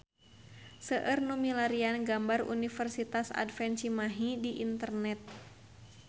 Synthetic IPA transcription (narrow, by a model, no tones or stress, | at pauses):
səʔərnumilaɾianɡambarṵnifərsit̪asa̰dfɛnt͡ʃimaɦidiʔint̪ərnɛt̪̚